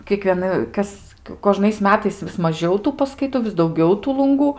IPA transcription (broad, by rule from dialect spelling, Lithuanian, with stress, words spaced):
kʲiɛkʋʲiɛˈnɐ ˈkɐs koːˈʒnɐɪs ˈmʲæːtɐɪs ʋʲɪs mɐˈʒʲɛʊ ˈtuː pɐskɐɪˈtʊ ʋʲɪs dɐʊˈɡʲɛʊ ˈtuː lˠʊŋˈɡuː